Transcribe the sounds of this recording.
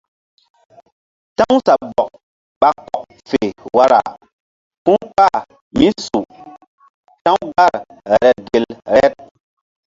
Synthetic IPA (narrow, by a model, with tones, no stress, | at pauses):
tã˦ŋsa˨bɔ˨k̚ | ɓa˨k͡pɔ˨k̚ | fe˨wa˦ɾa̰˨ | pũ˦ŋk͡pa˦˨ | mi˦su˨ | tã˦wɡa˦˨ɾ | ɾɛ˨ɾɛ˨ɡe˨lɾɛ˦t̚